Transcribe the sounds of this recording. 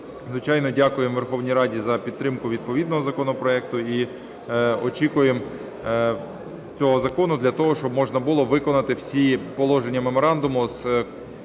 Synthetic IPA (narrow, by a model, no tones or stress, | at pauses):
zʋɪt͡ʃɑjnɔdʲɑkʊjemʋerxɔwnʲijɾɑdʲizɐpʲid̪t̪ɾɪmkʊʋʲid̪̚pɔʋʲid̪nɔɦɔzɐkɔnɔpɾɔɛk̚t̪ʊi | ɔt͡ʃikʊjem | t͡sʲɔɦɔzɐkɔnʊd̪lʲɐt̪ɔɦɔʃt͡ʃɔbmɔʒnɐbʊlˠɔʋɪkɔnɐt̪ɪwsʲipɔlˠɔʒenʲːɐme̞mɔɾɑnd̪ʊmʊz̥